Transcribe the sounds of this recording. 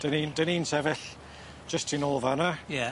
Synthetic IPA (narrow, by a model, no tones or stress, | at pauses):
d̥ənindəninsɛvɪɬ | d͡ʒəstʰinolˠvanajɛ